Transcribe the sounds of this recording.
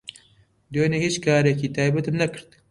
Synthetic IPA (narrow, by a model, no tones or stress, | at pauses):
d̪onehit͡ʃkɑːɾekit̪ɑːbɐt̪ɨmnɐkɨɾd̪